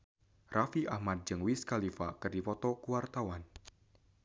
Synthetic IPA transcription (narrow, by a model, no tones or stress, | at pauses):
rafiʔahmat̪̚d͡ʒɨŋwiskalifakɨrdipɔt̪ɔkuwart̪awan